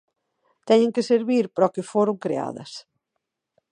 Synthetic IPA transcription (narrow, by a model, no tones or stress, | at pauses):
t̪ɛɲẽŋkɪseɾβiɾpɾɔkɪfoɾʊŋkɾea̰ðɐ̰s